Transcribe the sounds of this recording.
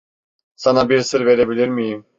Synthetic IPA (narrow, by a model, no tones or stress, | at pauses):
sanabiɾsəɾvɛɾɛbiliɾmijim